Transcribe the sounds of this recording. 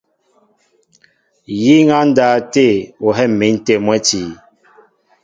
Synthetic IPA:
ji˦ŋa˦n̩˦daː˨˦te˦˨o˨ɦɛ˦˨m˨me˨˦n̩˦te˦˨mwɛ˦ti˨

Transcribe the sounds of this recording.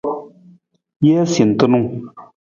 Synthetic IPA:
jɛː˦si˨n̩˨tɨ˦nu˦ŋ

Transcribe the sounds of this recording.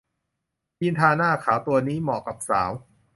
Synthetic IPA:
pi˧nt̪ʰaː˧naː˥˩kʰaː˩˦wt̪u˧ɐniː˦˥mɔ̰˨˩ka˨˩p̚sa̰ː˩˦w

